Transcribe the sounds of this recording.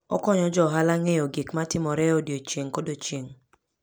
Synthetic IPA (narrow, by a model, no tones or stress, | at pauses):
ɔ̰kɔɲɔd͡ʒɔɦalaŋejoɡikmatɪmɔɾɛodjot͡ʃeŋkodot͡ʃeŋ